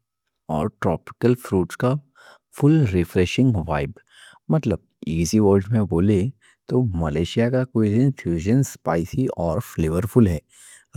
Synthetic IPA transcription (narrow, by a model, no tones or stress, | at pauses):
ɔ̰ːɾʈɾɔːpɪ̥kəlfɾuːʈska | fʊlɾɪfɾɛːʃɪ̃ŋɡʋa̰ːɪb | mɐt̪ləb̚ | iːziʋɔːɾɖmẽboːle | t̪omɐleːʃijakakoisɪ̃nfʰuːʒənspaːɪsiɔːɾfleːʋəɾfʰʊlɦɛː